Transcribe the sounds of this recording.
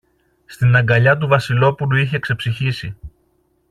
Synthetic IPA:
st̪inɐŋɡɐʎɐt̪̬uvɐsilo̞puluiçe̞kse̞psiçisi

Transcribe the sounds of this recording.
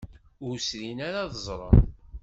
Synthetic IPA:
ʊɾsɾinaɾaðəzˤɾˤə̰n

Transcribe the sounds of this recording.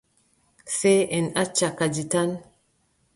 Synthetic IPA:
seɛnat͡ʃakad͡ʒitan

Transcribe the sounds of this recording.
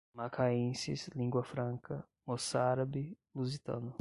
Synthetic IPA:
makʰaĩsḭslĩŋɡwɐfɾɐ̃ŋkʰɐ | mosaɾabɪ | luzit̪ɐ̰̃nʊ

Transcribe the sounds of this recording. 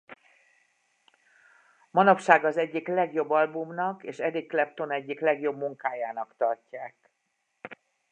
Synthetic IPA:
mɒnɒpʃaːɡɒzɛɟːiklɛɡjo̞bːɒlbumnɒkeːʃɛd̪ikːlɛp̚t̪o̞nɛɟːiklɛɡjo̞bmuŋkaːjaːnɒkt̪ɒrcːaːk

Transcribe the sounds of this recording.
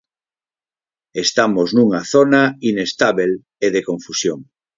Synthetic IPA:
est̪amoznuŋaθonainest̪aβel | eðekõɱfusjoŋ

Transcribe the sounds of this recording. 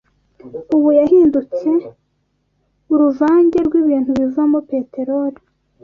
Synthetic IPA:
uβujahiːndut͡se̞ | uɾuvaːɲɟe̞ɾɡwiːβiːnthuβivuamope̞te̞ɾoɾi

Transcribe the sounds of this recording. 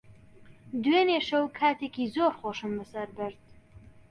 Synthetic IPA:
d̪weneːʃɐwkʰaːt̪ʰeːkizoːɾχoʃɨmbɨsɐɾbɨɾd̪̥̚

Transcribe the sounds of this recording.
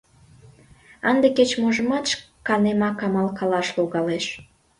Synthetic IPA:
ɑnd̪eket͡ɕmoʒə̆mɑt̪ʃ | kɑnemɑkɑmɑlkɑlɑʃloɣɑleʃ

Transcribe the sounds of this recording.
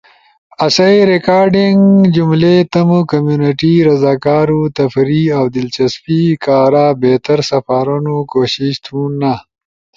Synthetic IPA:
ɐsɐiɾekaːɾɖiŋɡd͡ʑumlet̪ɐmukɐmjuniʈiɾɐzaːkaːɾut̪ɐfɾiawd̪ɪlt͡ʃɐspikaːɾaːbeːt̪ɐɾsɐfaːɾunukoːɕiʃt̪ʰũːna

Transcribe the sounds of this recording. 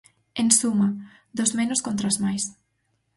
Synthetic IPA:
ensumɐ | d̪ozmenoskont̪ɾazmajs

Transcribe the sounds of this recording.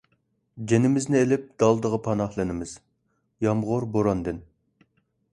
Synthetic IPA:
d͡ʒenɪmɪznɪelɪp̚d̪ɑlˠd̪əʁəpʰɑnɑχlˠɨnɪmɪz̥ | jɑmʁʊɾboɾɑnd̪ɨn

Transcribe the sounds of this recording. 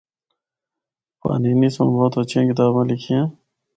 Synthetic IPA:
pa̰ːniːnisõ̰ːboːt̪ot͡ɕẽːkɪt̪aːbãːlikʰijãː

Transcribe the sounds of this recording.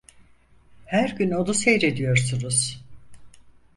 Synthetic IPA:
hæɾɟynod̪usejɾe̞d̪ijo̞ɾsunuz̥

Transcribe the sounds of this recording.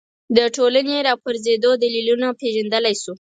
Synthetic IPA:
d̪əʈolaneɾɑpaɾzed̪od̪alilunapeʒand̪əlajsu

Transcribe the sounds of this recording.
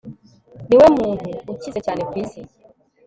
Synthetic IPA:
niwɛmuhuut͡ʃisɛt͡ʃanipisi

